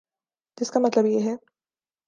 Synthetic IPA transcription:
tɪskamɐt̪ləbjeːɦɛː

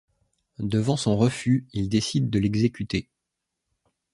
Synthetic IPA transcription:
d̪əvɑ̃sɔ̃ʁəfyild̪esid̪ːəlɛɡzekʲyt̪e

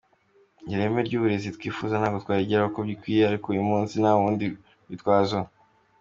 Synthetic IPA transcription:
ɲɟiɾeːmeɾɟuːβuɾe̞zitwiːfuzanaːkotwaːɾiɟeɾaokobɟikwiːjeaɾikoujumũːnsinaβuːndi | βitwaːzo

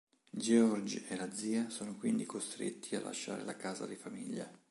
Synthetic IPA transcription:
d͡ʒeɔrd͡ʒelad̪ziːasoːnokwind̪ikost̪ɾḛt̪ːialːa̰ʃːa̰ːɾḛlakaːza̰d̪ifamiʎːa

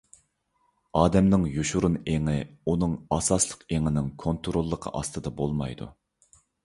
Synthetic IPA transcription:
ɑːd̪ɛmnɪŋjuʃuɾuneŋɪunɨŋɑsɑslˠə̥qeŋɪnɪŋkʰont̪ʰɾolˠːəqʰɑ̰ʔɑst̪ʰɨd̪ɑbolˠmɑ̰jd̪ṵ

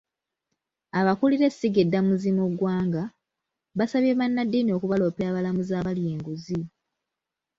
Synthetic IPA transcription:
aβakuliɾe̞ssiɡedːamuzimuɡwaːŋɡa | βasaβjeβanːadːiːnio̞ːkuβalo̞ːpeaːβalamuzaːβaljeːŋɡuzi

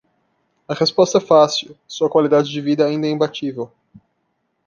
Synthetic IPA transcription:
ɐhespɔst̪ɐɛfasiwsuɐkwalid̪ad͡ʒɪd͡ʒɪvid̪ɐaĩnd̪ɐɛĩmbat͡ʃivew

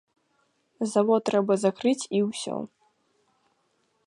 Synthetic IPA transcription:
zavɔt̪ɾɛbɐzakɾɨt͡sʲiwsʲɔ̰

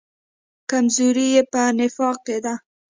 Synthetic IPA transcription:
kamzuɾijepənɪfɑq̚ed̪a

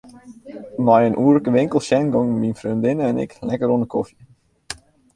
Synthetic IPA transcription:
mɔjənʔuːərləkəʋɪŋkəlˠʃɛnɡɔŋminfrøndɪnəɛnɪ̰klɛkəɾonəkɔfi

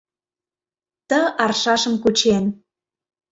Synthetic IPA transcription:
t̪əʔɑrʃɑʃə̆mkut͡ɕen

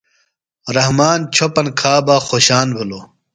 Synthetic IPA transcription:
ɾɐhmaːnt͡ɕʰopɐnkʰaːbaːxoːɕaːnbʱɐloː

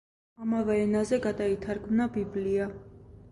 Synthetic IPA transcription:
ɑmɑvɑɾɛnɑzɛɡɑt̪ɑit̪ʰɑɾkmnɑbiblijɑ

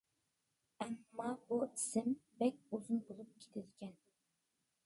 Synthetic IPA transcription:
ɛmːɑbuisɪmbɛk̚ʲuzunbolˠup̚kʲʰe̥t̪ʰɪd̪ɪkʲʰɛn

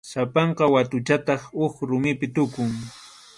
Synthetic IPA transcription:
sapɑɴqɑwat̪ʊt͡ʃat̪ɑχʊkɾʊmɪpɪt̪ʊkʊŋ

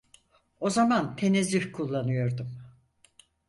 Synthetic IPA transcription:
o̞zamant̪ʰe̞nezʲifkʰulˠːanɯjo̞ɾd̪um

